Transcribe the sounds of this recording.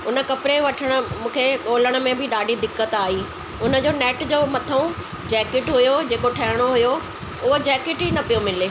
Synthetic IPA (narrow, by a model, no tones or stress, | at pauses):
ʊnə̆kɐpɾeʋɐʈʰəɽ̃ə̆mũːkʰeɠoːləɽ̃ə̆mẽbʱɪɗaːɖʱid̪ɪkːət̪aːɦiː | ʊnə̆d͡ʑoːnɛːʈd͡ʑoːmɐt̪ʰəũ | d͡ʑɛːkɪʈɦʊjod͡ʑeːkoʈʰɐɦɪɽ̃oɦʊjo | ʊɦod͡ʑɛːkɪʈɦinɐpijomɪleː